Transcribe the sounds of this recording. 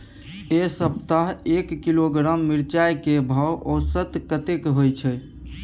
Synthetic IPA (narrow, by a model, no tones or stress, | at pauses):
esəb̚t̪aɦekːiloɡɾamːiɾt͡ʃajkebʱawosət̪kət̪ekɦojt͡ʃʰɛ